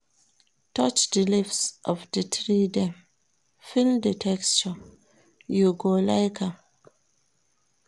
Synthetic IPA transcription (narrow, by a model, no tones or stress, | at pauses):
tɔt͡ʃdəlifsʔɔfdətɹidɛ̃m | fildətʰɛkst͡ʃə | juɡolaɪkʰa